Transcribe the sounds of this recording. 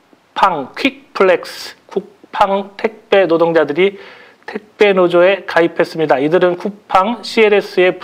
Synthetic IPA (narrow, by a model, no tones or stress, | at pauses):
pʰaŋkʰik̚pʰɯɭek̚skuk̚pʰaŋtʰe̞k̚p͈e̞nodoŋd͡ʑadɯɾi | tʰe̞k̚p͈e̞nod͡ʑoe̞kaipʰe̞s͈ɯmɲidaidɯɾɯnkuk̚pʰaŋɕʰieɾe̞s͈ʰɯe̞p